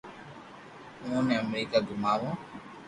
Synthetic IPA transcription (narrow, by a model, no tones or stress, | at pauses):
ũːnẽːəmɾiːkaːɡʊmaːʋõː